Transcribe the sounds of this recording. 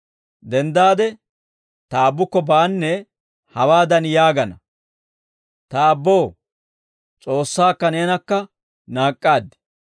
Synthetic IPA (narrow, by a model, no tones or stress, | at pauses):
d̪ɛnd̪aːd̪ɛ | t̪ɐːbːʊkːɔbaːnːɛ | hɐwaːd̪ɐnjaːɡɐnɐ | t̪ɐːbːoː | t͡sʼo̞ːsːaːkːɐneːnɐkːɐ | naːkʼːaːd̪ɪ̥